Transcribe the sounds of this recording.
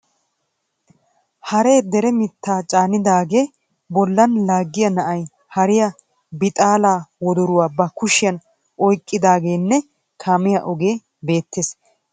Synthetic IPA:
hɐɾe̞ːd̪ɛɾɛmɪt̪ːaːt͡ʃʼaːnɪd̪aːɡe̞ː | bɔlːɐnlaːɡːɪjɐnɐʔɐj | hɐɾɪjɐ | bɪt̪ʼaːlaːwɔd̪ʊɾʊwaːbɐkʊʃɪjɐn | ʔɔjkʼːɪd̪aːɡe̞ːnːɛ | kʰaːmɪjɐʔɔɡe̞ː | be̞ːt̪ːes

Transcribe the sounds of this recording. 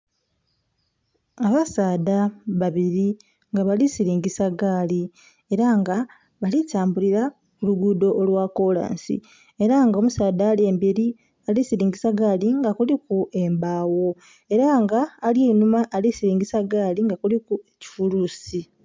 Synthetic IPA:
aβasaːdaβaβiɾi | ŋɡaβalisiɾiːŋɡisaɡaːli | e̞ɾaŋɡa | βalitaːmbuliɾa | kuluɡudo̞ʔːlwako̞la̰ːnsḭ | e̞ɾaŋɡomusaːdaːlje̞ːmbiɾi | alisiɾiːŋɡisaɡaːliŋɡakulikuembawo̞ | e̞ɾaŋɡaːljeinumaʔːlisiɾiːŋɡisaɡaːliŋɡakulikueci̥fuluːsi

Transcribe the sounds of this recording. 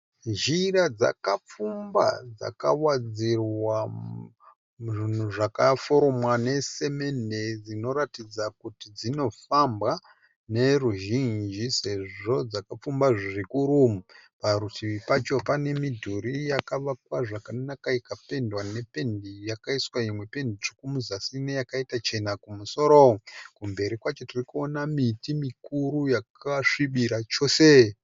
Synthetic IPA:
ʒiɾad͡za̰kap͡fumba̰d͡za̰kawad͡zirwa | ʐin̤uʐakafo̞ɾo̞mwane̞se̞me̞ne̞d͡zino̞ɾatid͡zakutid͡zino̞fambwa | ne̞ruʒind͡ʒise̞ʐo̞d͡zakap͡fumbaʐirikuɾumupaɾutiʋipat͡ʃo̞pane̞midʱuɾijakaʋakwaʐakannakaikape̞ndwane̞pe̞ndijakaiswaimwe̞pe̞ndiʐokumuzasinejakaitat͡ʃe̞nakumuso̞ɾokumbe̞ɾikwat͡ʃo̞tirikuonamitimikuɾujakaʂiɓiɾat͡ʃo̞se̞

